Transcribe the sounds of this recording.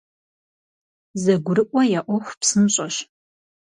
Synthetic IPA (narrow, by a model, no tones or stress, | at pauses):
zɐɡʷʊɾɨʔʷʼɐjaʔʷɔxʷpsɨmɕʼɐɕ